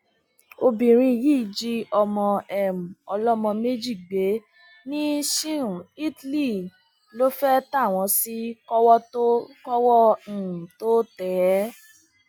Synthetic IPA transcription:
o˧bĩ˨ɾ̃ĩ˧˨ji˦˨d͡ʒi˦ɔ˧mɔ̃˧ɛ˦˨m̩˨ɔ˧lɔ˦mɔ̃˧me˦d͡ʒi˦˨ɡ͡be˨˦ | nĩ˦ʃĩ˦˨i˦tli˦˨ | lo˦fɛ˦ta˦˨w̃ɔ̃˧si˦kɔ˦wɔ˦to˦kɔ˦wɔ˦ñ̩˨to˦tɛː˨˦

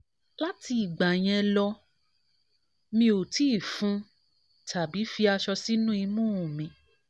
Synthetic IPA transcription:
la˦ti˧i˨ɡ͡ba˨j̃ɛ̃˧lɔ˧ | mĩ˦o˨ti˦˨fũ˨˦ | tʰa˨bi˨˦fi˧a˧ʃɔ˧si˦nũ˦i˧mũ˦ũ˨mĩ˧˦

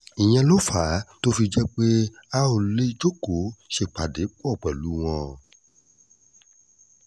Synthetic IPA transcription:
i˨j̃ɛ̃˧lo˦fa˨˦to˦fi˧d͡ʒɛ˦k͡pe˦a˦o˧le˦d͡ʒo˦ko˨˦ʃe˧˨k͡pa˨de˨˦k͡pɔ˦˨k͡pɛ˨lu˨˦w̃ɔ̃˧

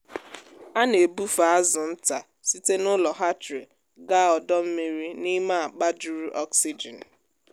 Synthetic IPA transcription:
a˦ne˨bu˦fa˨a˦zʊ˨n̩˦ta˨ | si˦te˦nʊ˦lɔ˨ɦa˦tɾe˨ | ɡa˦ɔ˨dɔ˦m̩˦mi˦ɾi˦ni˦ma˦˨a˨k͡pa˦d͡ʒu˦ɾi˦ʔɔ˦ksi˦d͡ʒɛ˨n̩˨

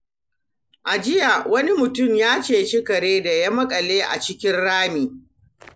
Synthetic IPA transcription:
ʔa˨d͡ʒɪ˦ja˨wɐ˦ni˦mʊ˨tʊ˦˨mjaː˦t͡ʃeː˨t͡ʃɪ˦kɐ˨ɽeː˦da˨ja˦mɐ˦kʼɐ˨leː˦ʔa̰˨t͡ʃɪ˦kʲɪ˦nɽaː˦miː˨

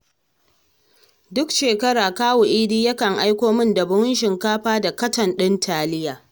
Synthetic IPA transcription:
dʊ˦kʃeː˨kɐ˦ɽaː˨kaː˦wo˨ʔɪː˦diː˦jɐ˦kɐ˨ŋʔa˦jkʷoː˦mɪ˦ndɐ˨bʊ˦ŋ˦ʃɪ˨ŋkaː˦ɸaː˦da˨kɐ˦tɐ˨nɗɪ˦ntʰaː˨lɪ˦jaː˨

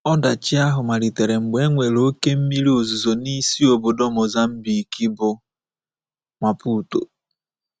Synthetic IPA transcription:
ɔ˦da˨t͡ʃɪ˦a˦ɦʊ˨ma˨ɾi˨te˨ɾe˨ŋ͡m̩˨ɡ͡be˦ŋʷe˨lo˦ke˦m̩˦mi˦ɾi˦o˨zu˨zo˨ni˦si˦o˨bo˨dɔ˦mɔ˨za˦m̩˦bi˨ki˦bʊ˨ | mʷa˨pu˦˨to̰˨

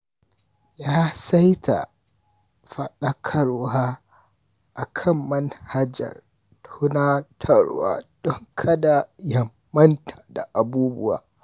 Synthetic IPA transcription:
jaː˦sa˦jta̰˨ | ɸɐ˨ɗɐ˦kʰɐ˨ɾwaː˦ | ʔa˨kʰɐ˦mːɐ˦nha˦d͡ʒɐ̰˨r | tʰu˦naː˦tʰɐ˦˨ɽwa̰ː˦d̥ɔ˦ŋkʰɐ˦da˨jɐ˨mːɐ˦ntʰḁ˨da˨ʔa˨buː˦bʊ̰˦wa̰ː˨

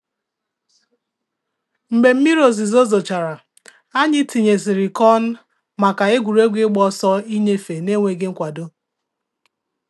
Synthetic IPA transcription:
m̩˨be˨m̩˦mi˦ɾo˨zi˨zo˦zo˨t͡ʃa˨ɾa˨ | a˦ɲɪ˦ti˨ɲe˨zɪ˨ɾɪ˨kɔ˦n̩˦ | ma˨ka˨e˦ɡʷu˨ɾe˦ɡʷi˦ɡ͡bɔ˦sɔ˦i˦ɲe˦fe˨ne˦ŋʷe˨ɡɪ˦ŋ̩˦kʷa˨do˦

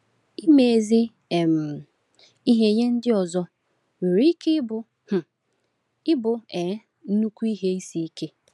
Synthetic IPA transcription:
i˦me˨e˨zi˦ | e˨m̩˨ | i˦ɦe˦ɲe˦n̩˦dɪ˦ɔ˨zɔ˦ | wi˨ɾi˦ke˦bʊ˨ | h̩˨ | ɪ˦bʊ˨e˨˦ | n̩˦nu˦kʷu˦i˦ɦe˦i˦si˨i˦ke˦

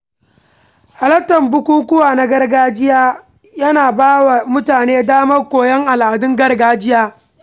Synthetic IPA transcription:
ha˨lɐ˦tːɐ˨mbʊ˦kʷuː˦kʷʊ˦waː˨na˦ɡɐ˦rɡaː˦d͡ʒɪ˦jaː˦ | jɐ˦naː˨baː˦wa˨mʊ˦taː˨neː˦daː˦mɐ˦rkʷoː˨jɛ˦ŋʔa˨lʔa˨dʊ˦ŋɡɐ˦rɡaː˦d͡ʒɪ˦jaː˦

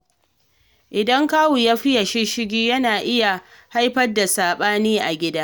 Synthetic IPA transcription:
ʔɪ˨dɐ˦ŋkaː˦wu˨jaː˦ɸɪ˦ja˨ʃɪ˦ʃɪ˦ɡʲiː˦jɐ˦naː˨ʔɪ˦ja˨ | ha˦jɸɐ˦rda˨saː˨ɓaː˦niː˦ʔa˨ɡʲɪ˦daː˦

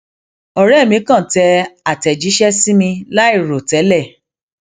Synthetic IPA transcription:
ɔ˨ɾɛ˦˨mĩ˧˦kã˦˨tɛ˧a˨tɛ˨d͡ʒi˨˦ʃɛ˦si˦mĩ˧la˦i˦˨ɾo˨tɛ˨˦lɛ˦˨

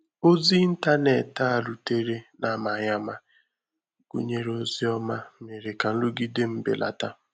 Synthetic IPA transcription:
o˦zi˦n̩˦ta˦ne˨ta˦a˨lu˨te˦ɾe˦na˦ma˨ɲa˦ma˦ | ɡ̥ṵ˦ɲe˦ɾo˦zi˦ɔ˦ma˦me˨ɾe˨ka˨n̩˦lu˦ɡi˦de˦m̩˦bḛ˨lʔa̰˨ta˦

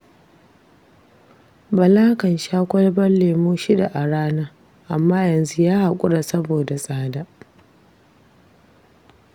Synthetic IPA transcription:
bɐ˨laː˦kɐ˨nʃaː˦kʷɐ˦lbɐ˦nleː˨muː˦ʃi˦da˨ʔa˨ɽaː˦naː˦ | ʔa˨mːaː˦jɐ˨nzu˦jaː˦ha˨kʷʼʊ˦ɽa˨sɐ˦boː˨da˨sʼaː˦daː˦

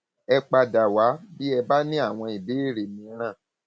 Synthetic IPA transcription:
ɛ˧k͡pa˧da˨wa˨˦bi˦ɛ˧ba˦nĩ˦a˦˨w̃ɔ̃˧i˨be˨˦e˦˨ɾe˨mĩ˧˦ɾ̃ã˦˨

